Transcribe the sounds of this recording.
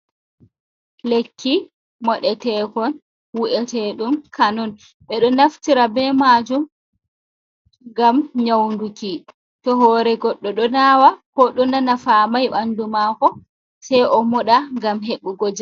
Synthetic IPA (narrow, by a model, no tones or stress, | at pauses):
lekʰːi | mɔɗɛtɛːkɔn | wuʔɛtɛɗumkanɔn | ɓɛɗɔnaftiɾabɛmad͡ʒum | ŋɡamɲawnduki | tɔɦɔːɾɛɡɔɗːɔɗɔnaːwakɔɗɔnanafamajɓandumakɔ | sɛjʔɔmɔɗaŋɡamɦeɓuɡɔd͡ʒa